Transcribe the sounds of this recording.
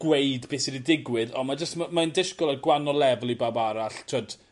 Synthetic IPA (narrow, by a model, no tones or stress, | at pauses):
ɡ̥wejdbɪːsididɪɡwɪðɔmad͡ʒəstmamandɪʃkɔlˠaɡwanɔlˠɛvlˠibabaɾaɬtʰwɔd̥